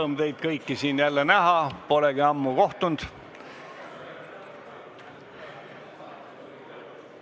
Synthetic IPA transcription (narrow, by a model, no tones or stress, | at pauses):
md̪e̞jd̪̥̚kɤjkːisiːnjælːenæɦɑpo̞leɡ̥iɑmːuɡo̞ht̪und̪̥